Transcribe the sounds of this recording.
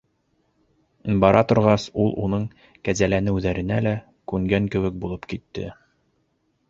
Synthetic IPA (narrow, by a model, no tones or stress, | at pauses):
bɑɾɑt̪ŏɾʁɑsulˠʔunɤɴ | kæzælænɘ̆wðæɾɘ̆nælæ | kʉŋɡæŋkɘ̆wɘ̆k̚bulˠɤpkit̪ːɘ̰